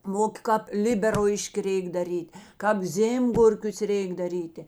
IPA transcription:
ˈmoːkʲeː kɑːp ˈlʲɪbʲɛrlˠɐɪʃʲkʲɪ ˈrʲɛɪk dɐˈrʲiːtʲ kɑːp ˈzʲeːmɡʊrʲkʲʊs ˈrʲeːɪk dɐˈrʲiːtʲeː

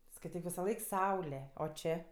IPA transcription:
skɐɪˈtʲiːk ʋʲɪsɐˈlˠɐɪk ˈsɐʊlʲɛ oː ˈt͡ʃʲeː

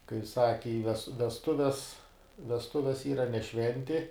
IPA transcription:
kɐɪ ˈsɑːkʲɪ ɪ ʋʲɛs ʋʲɛsˈtʊʋʲɛs ʋʲɛsˈtʊʋʲɛs ˈiːrɐ nʲɛ ˈʃʲʋʲɛnʲtʲɪ

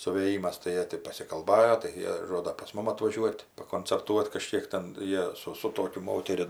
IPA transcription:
sʊʋʲeːˈjiːmɐs tɐɪ ˈjiɛ tʲɪ pɐsʲɪkɐlˠˈbɑːjoː tɐɪ ˈjiɛ ˈʒoːdɐ pɐs ˈmʊm ɐtʋɐˈʒʲuɔtʲ pɐkoːnʲt͡sʲɛrˈtuɔt kɐˈʃʲkʲiɛk tʲɛn ˈjiɛ sʊ sʊ ˈtoːkʲʊ ˈmoːtʲɛrʲɪ

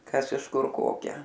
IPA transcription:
ˈkɐs ɪʃ ˈkʊr ˈkoːkʲæː

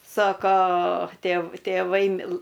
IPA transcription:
ˈsoːkoː tʲeːw tʲeːˈʋɐɪ ˈmʲɪlˠɘ

